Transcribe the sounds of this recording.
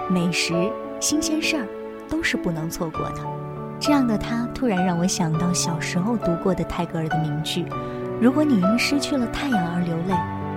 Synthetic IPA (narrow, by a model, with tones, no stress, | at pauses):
me˨˩ɪʂɻ̩˧˥ | ɕi˥nɕjɛ˥nʂə˥˩ | t̪o˥ʊʂɻ̩˥˧pu˥˩nɤ˧˥ŋt͡sʰwɔ˥˧kwɔ̰˥˩d̪ə˩ | ʈ͡ʂɤ˥˧jɑ˥˩ŋd̪ə˩t̪ʰa˥t̪ʰu˥ɻa˧˥nɻɑ˥˩ŋwɔ˧˥ɕjɑ˨˩ŋt̪ɑ˥˩ʊɕjɑ˨˩ʊʂɻ̩˧˥xo˥˧ʊt̪u˧˥kwɔ˥˩d̪ə˩t̪ʰa˥˩ɪkɤ˥ə˞˧˩d̪ə˩mi˧˥ŋt͡ɕy˥˩ | ɻu˧˥kwɔ˧˥ni˨˩i˧˥ŋʂɻ̩˥t͡ɕʰy˥˩lə˩t̪ʰa˥˩ɪjɑ˨˩ŋə˞˧˥ljo˧˥ʊle˥˩ɪ